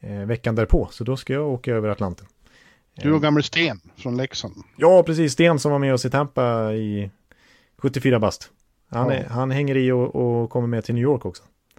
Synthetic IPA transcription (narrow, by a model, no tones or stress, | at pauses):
vɛkːand̪æːɾpʰoːsɔd̪ɔskajɑːoːkajaøːvəɾat̪lant̪ən | d̪ɵaɡamːalst̪eːnfɾɔnlɛksənjɑːpʰɾɛsiːsːt̪eːnsɔmvaɾmɛɔsɪt̪ʰɛmpːaɪ | ɧɵt̪ːɪfyːɾabast̪ | han̰ɦanɦɛŋːəɾɪɔɔkʰɔmːəɾmɛt̪ʰɪlyːjoːɾkɔksɔ̥